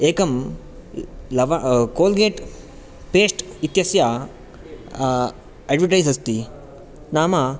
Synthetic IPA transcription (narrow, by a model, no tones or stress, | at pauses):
eːkɐm | lɐʋakoːlɡeːʈ | peːʂʈit̪jɐsja | ɐɖʋɐʈɐjsɐst̪i | naːma